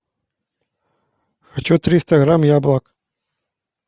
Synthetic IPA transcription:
xat͡ɕɔt̪ɾʲist̪ɐɣɾamjablˠak

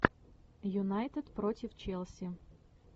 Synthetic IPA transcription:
jʊnajt̪ɨt̪pɾotʲɪft͡ɕɛlˠsʲɪ

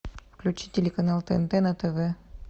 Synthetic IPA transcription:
fklʲut͡ɕitʲelʲekɐnalˠt̪ḛnt̪enat̪eve

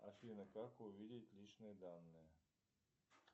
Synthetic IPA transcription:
a̰ʃienekakoʋid̪ʲjet̪ʲlʲit͡ʃneːd̪anːe

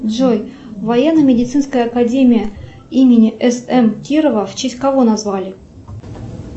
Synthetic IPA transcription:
dʐoj | vɐjenːəmʲɪdʲɪt̪sɨnskəjəːkadʲemʲɪjə | imʲɪnʲɪʔɛsɛmkʲiɾəvəft͡ɕesʲtʲkɐvonazvalʲɪ

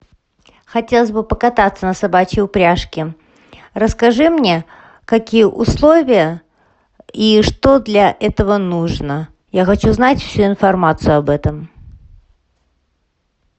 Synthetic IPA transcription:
xɐtʲe̞lˠəsʲbɨpəkɐt̪at̪sənəsɐbat͡ɕɪʊpɾʲaʂkʲɪ | rəskɐʐɨmnʲe̞ | kɐkʲijəʔʊslˠovʲɪjə | iʂt̪od̪lʲɐʔɛt̪əvənuʐnə | jaxɐt͡ɕuznatʲfsʲuɪnfɐrmat̪sɨjʊɐbɛt̪əm

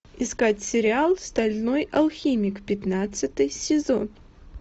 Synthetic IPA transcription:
ɪskatʲsʲɪɾʲɪalˠst̪ɐlʲnojɐlˠxʲimʲɪkpʲɪt̪nat̪sɨt̪ɨjsʲɪzon

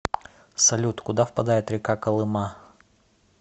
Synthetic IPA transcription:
sɐlʲut̪kʊd̪afpɐd̪ajɪt̪ɾʲɪkakɐlˠɨma

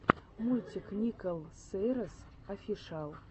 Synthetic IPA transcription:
mulʲt̪ʲiknʲikolˠseɾəs | afʲiʂɑlˠ

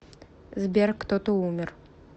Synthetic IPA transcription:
zbʲeɾkt̪ot̪oumʲɪr

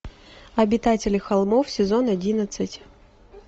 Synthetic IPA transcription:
ɐbʲɪt̪atʲɪlʲɪxɐlˠmofsʲɪzo̞nɐdʲinət̪sɨtʲ

